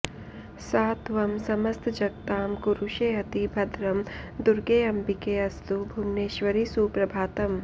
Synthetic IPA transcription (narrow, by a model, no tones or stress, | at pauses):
saːt̪ʋɐmsɐmɐst̪ʰd͡ʒɐk̚t̪aːmkuɾuʃeːɐt̪ibʱɐd̪ɾɐmd̪uɾɡeːɐmpikeːɐst̪ubʱumneːʃʋɐɾisuːpɾɐbʱaːt̪ɐm